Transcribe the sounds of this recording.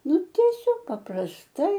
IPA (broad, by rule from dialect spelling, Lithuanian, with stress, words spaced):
ˈnʊ tʲiɛˈsʲoːk pɐprɐsˈtɐɪ